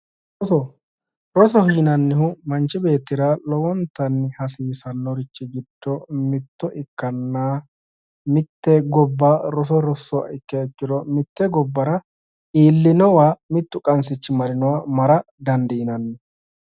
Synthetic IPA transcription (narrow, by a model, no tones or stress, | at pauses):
ɾɔsɔ | ɾɔsɔhiːnɐnːɪhʊmɐnt͡ʃːɪbe̞ːt̪ːɪɾɐlɔwɔnt̪ːɐnːɪhɐsiːsɐnːɔɾɪt͡ʃːɪɡɪd̪̥ːɔmɪt̪ːɔʔɪkːɐnːaː | mɪt̪ːɛɡɔbːaɾɔs̬ɔɾɔsːɔɐ̰ɪkːɛːkːɪd̪ɔmɪt̪ːɛɡɔbːɐɾɐ | iːlːɪnɔwaːmɪt̪ːʊkʼɐns̬ɪt͡ʃːɪmɐɾɪnɔwamɐɾɐ | d̪ɐnd̪ɪɪnɐnːɪ